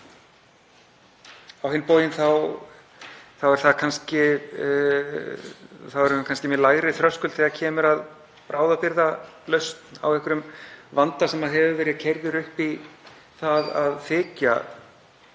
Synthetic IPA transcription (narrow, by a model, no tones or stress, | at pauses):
awhɪnːpoːwjɪnθaw | θawɛɾ̥θaðkʰanscɪ | θawɛɾakʰanscɪmɛlaːjɣɾɪθɾœskʏlθɛðacʰɛːmʏɾað | pɾaːwðapɪɾðalœɥst̪na̰wɛhkʏɾʏmvant̪asɛmaðɦɛvʏvɛːɾɪðcʰɛjɾðɪɾʏhpi | θaðaðfɪːca̰